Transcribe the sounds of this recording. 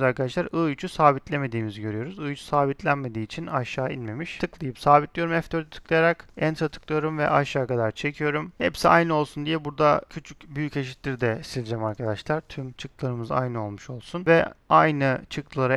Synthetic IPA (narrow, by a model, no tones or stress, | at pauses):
zaɾkad̪aʃlˠaɾʔɯːjyt͡ʃʰusaːbit̪lʲeme̞d̪iːmizɟø̞ɾyjo̞ɾuzɯːjyt͡ʃʰu̥saːbit̪lʲænme̞d̪iːt͡ʃʰinaʃːaːinme̞miʃt̪ʰɯklˠɯjɯpsaːbit̪lʲijo̞ɾumæft̪ʰø̞ɾd̪ɛt̪ʰɯ̥klˠajaɾakænsat̪ʰɯ̥klˠɯjo̞ɾumvɛʔaʃːaːkʰad̪aɾt͡ʃʰe̞cʰijo̞ɾumhḛpsia̰jnɯo̞lˠsund̪ijɛbuɾd̪acʰyt͡ʃʰycbyjyceʃit̪lʲiɾd̪ɛsilʲd͡ʒemaɾkʰad̪aʃlˠaɾt̪ʰymt͡ʃʰɯklɯlˠaɾɯmɯza̰jnɯo̞lˠmuʃo̞lˠsunvɛ̰ajnɯt͡ʃʰɯklˠɯlˠaɾa